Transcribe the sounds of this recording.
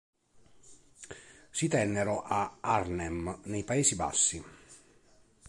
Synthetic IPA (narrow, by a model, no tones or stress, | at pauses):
sit̪ɛnːɛɾɔʔaarnɛmnɛjpaeːsiba̰sːi